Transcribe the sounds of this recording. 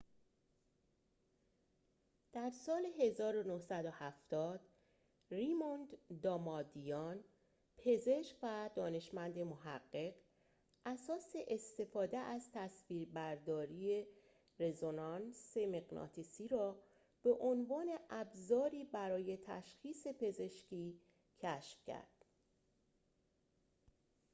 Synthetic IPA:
d̪̥æɾsɒːle̞ɦe̞zɒːɾo̞nohsæd̪o̞hæft̪ɒːd̪̥ | rimond̪d̪ɒːmɒd̪ijɒn | pʰe̞ze̞ʃkvæd̪ɒːne̞ʃmænd̪e̞moɦæɢːe̞ɢ | ʔæsɒːse̞ʔest̪e̞fɒːd̪e̞ʔæzt̪ʰæsviːɾbæɾd̪ɒːɾiːe | re̞zonɒnse̞me̞ɣnɒ̰t̪ʰisiːɾɒː | b̥e̞ʔonvɒːne̞ʔæbzɒːɾiːbæɾɒːje̞t̪ʰæ̰ʃxiːse̞pʰe̞ze̞ʃcʰiː | cʰæʃfcʰæ̰ɾd̪̥

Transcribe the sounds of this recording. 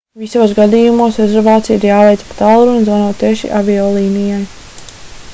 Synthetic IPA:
visoːsɡad̪iːjumuɔsɾɛzɛɾvaːt̪sijiɾjaːvɛjt̪spat̪alˠɾunzvanɔːt̪ːɛɛʃḭʔavʲiɔlˠiːnijaj

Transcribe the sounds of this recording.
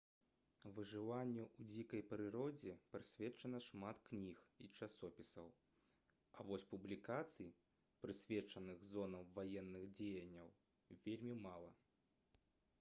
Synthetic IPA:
vɨʐɨvanʲːɛud͡zʲikɐjpɾɨɾɔd͡zʲɛpɾɨsʲvʲɛt͡ʂɐnɐʂmat̪knʲixit͡ʂasɔpʲisɐw | ɐvɔsʲpublʲikat̪sɨji | pɾɨsʲvʲɛt͡ʂɐnɨɣzɔnɐmvajɛnːɨɣd͡zʲejɐnʲːɐw | vʲelʲmʲimalˠɐ̰

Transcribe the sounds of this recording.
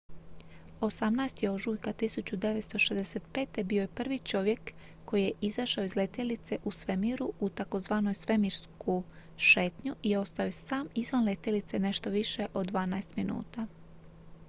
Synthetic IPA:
o̞samnajst̪jeo̞ʒujkat̪isut͡ɕud̪e̞ʋet̪st̪o̞ʃezd̪eset̪̚pe̞ːt̪e̞biojepr̩ʋit͡ʃo̞ʋje̞kː | o̞jije̞ʔizaʃaoizle̞t̪jelit̪se̞ʔusʋemiɾuut̪ako̞zʋaːno̞jsʋe̞miɾskʰu | ʃe̞ːt̪ɲuʔio̞st̪aojesaːmizʋanle̞t̪jelit̪se̞ne̞ʃt̪o̞ʋiʃe̞ʔo̞d̪ːʋaːnaest̪minṵːt̪a

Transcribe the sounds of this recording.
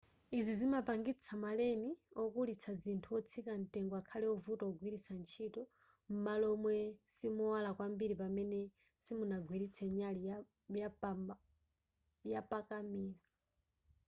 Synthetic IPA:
izizimapaŋɡit͡sʰamalɛniɔkulit͡sʰazintʰuɔt͡sʰikan̩tɛŋɡɔakʰalɛɔvutɔɔɡwiɾit͡sʰant͡ʃʰitɔ | m̩malɔmwɛsimuwalakwambiɾipamɛnɛ | simunaɡwiɾit͡sʰɛɲali | ja | japakamiːla

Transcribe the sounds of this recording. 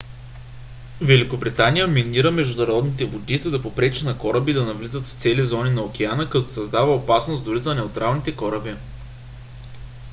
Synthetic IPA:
vɛlikobɾit̪anijəminiɾəmɛʒd̪ʊnɐɾɔd̪nit̪ɛvod̪izəd̪ɐpopɾɛt͡ʃɛnɐkɔɾəbid̪ɐnɐvlizət̪ft̪sɛlizɔninɐok̟ʲɛanəkɐt̪ɔsɐzd̪avəopasnosd̪ʊɾizɐnɛot̪ɾʔalˠnit̪ɛkɔɾəbi

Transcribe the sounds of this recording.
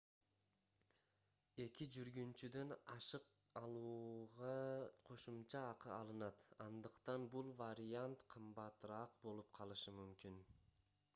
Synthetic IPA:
e̞kid͡ʒyɾɡynt͡ʃyd̪ø̞nɑʃɯq | ɑlˠuʁɑqʰo̞ʃumt͡ʃɑːqɯɑlˠɯnɑt̪ɑnd̪ɯqt̪ɑnbulˠvaɾʲijant̪qʰɯmbɑt̪ɾɑqbo̞lˠup̚qʰɑlˠɯʃɯmymkin

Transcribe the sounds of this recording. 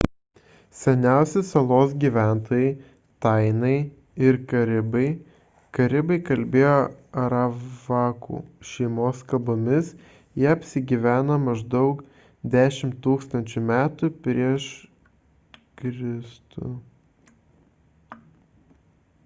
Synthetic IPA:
sʲɛnʲæˑʊsʲɪsɐlˠoːs̬ɡʲiːʋʲæˑnt̪oːjɛɪ | t̪ɐɪnɐɪ | ɪɾkɐɾʲɪbɐɪ | kɐɾʲɪbɐɪkɐlʲbʲeːjoːɐɾɑʋɑːkṵːʃʲɛɪmoːskɐbomʲɪs | jɛɐpʲsʲɪɡʲiʋʲæːnɐmɐʒd̪ɒʊk | d̪ʲæːʃʲɪmt̪ːuːkst̪ɐnʲt͡ʃʲʊmʲæːt̪ʊpʲɾʲiɛʃ | kɾʲɪst̪ṵ

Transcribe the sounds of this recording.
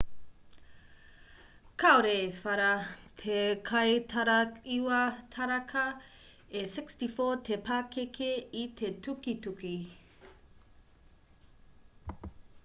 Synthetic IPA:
kʰaoɾefɐɾɐtʰekʰɐjtʰɐɾɐiwɐtʰɐɾɐkʰɐ | esɪkstifoːtʰepʰakekʰeitʰetʰukituki

